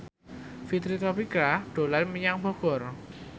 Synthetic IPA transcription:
fit̪ɾit̪ɔpikɾaɖ̥o̤lanməɲaŋbɔɡ̥ɔ̤r

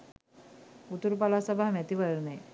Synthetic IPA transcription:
ut̪uɾupalaːsabaɦmæt̪iʋəɭnej

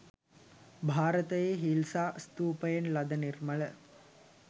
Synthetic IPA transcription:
bʱaːɾɐt̪ɐjeːɦilsaːst̪uːpɐjɐnlɐd̪ɐniɾmɐɭə

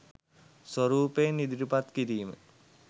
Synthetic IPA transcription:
sʋoɾuːpejnid̪iɾupat̪kiɾiːmə̰

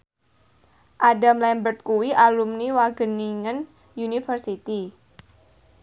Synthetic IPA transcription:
ʔadamlɛmbərt̪̚kuwiʔalumniwaɡ̥əniŋən | junifərsit̪i

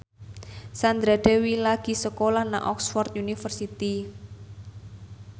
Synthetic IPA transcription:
sand̪ɾad̪̥ewilaɡ̥i̤səkolahna̰ʔɔksfɔrt̪̚junifərsit̪i

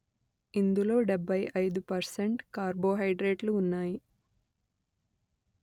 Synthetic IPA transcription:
ind̪ulo̞ːɖebʱːɐjʔɐjd̪upɐɾseɳʈkaːɾbo̞ːɦɐjɖɾeːʈluːnːaːji

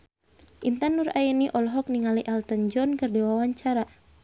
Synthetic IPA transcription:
ʔint̪anuraɛniʔɔlɔɦɔk̚niŋaliʔalt̪ənd͡ʒɔnkərdewawaɲt͡ʃaɾa

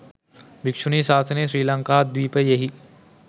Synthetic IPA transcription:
bɪkʃunisaːsʰɐneʃɾiːlɐ̃ŋkaːd̪wiːpejɐɦi

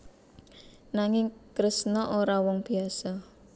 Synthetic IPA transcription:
naŋɪŋkɾəsnɔʔoɾawɔŋb̥i̤asɔ

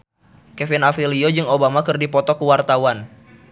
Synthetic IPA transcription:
kɛfinafiliod͡ʒɨŋobamakɨrdipɔt̪ɔkuwart̪awan

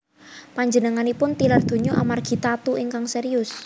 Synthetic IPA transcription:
paɲd͡ʒənəŋanipʊnt̪ilard̪̥o̤ɲoʔamarɡ̥i̤t̪at̪uʔiŋkaŋseɾiʊs

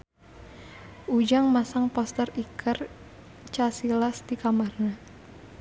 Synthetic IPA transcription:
ʔud͡ʒaŋmasaŋpɔst̪ərikʰər | t͡ʃasilasdikamarna

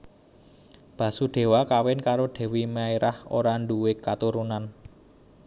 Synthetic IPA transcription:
b̥ä̤suɖ̪̥e̤wakawɪnkaɾoɖ̪̥ɛ̤wimaiɾʔaho̰ɾaɳɖuwɪkːat̪uɾunan

